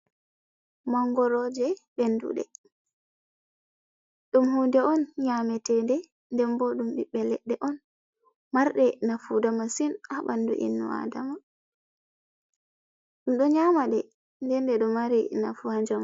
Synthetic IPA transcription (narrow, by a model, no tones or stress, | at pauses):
maŋɡɔɾɔd͡ʒɛɓɛndṵɗɛ̰ | ɗumhundɛɔnɲamɛtɛndɛ | ndɛmbɔɗumɗiɓɛlɛ̰ɗːɛʔɔn | maɾɗɛnafudamasinaɓandṵʔḭnːɔ̰a̰dama | ɗumɗɔɲamaɗɛ | ndɛndɛɗɔmaɾina̰fuhaɲd͡ʒama